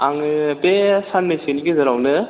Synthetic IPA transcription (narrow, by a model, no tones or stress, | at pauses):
aŋɯbesanmeseniɡezɐɾawnɯ